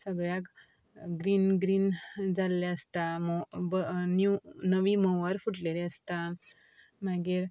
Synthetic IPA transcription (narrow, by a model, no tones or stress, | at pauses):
səɡɭjak | ɡɾiːnɡɾiːnd͡zalːɛəst̪ambnunəʋiməwəɾfuʈleleəst̪a | maɡiːɾ